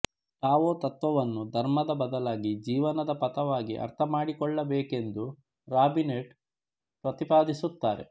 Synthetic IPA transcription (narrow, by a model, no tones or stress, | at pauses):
t̪aːʋoːt̪ɐt̪ʋɐʋɐnːud̪ʱɐɾmɐd̪ɐbɐd̪ɐlaːɡid͡ʒiːʋɐnɐd̪ɐpɐt̪ɐʋaːɡḭʔɐ̰ɾt̪ʰɐmaːɽikɔɭːɐbeːke̞nd̪u | ɾaːbineːʈ | pɾɐt̪ipaːd̪isut̪ːaːɾḛ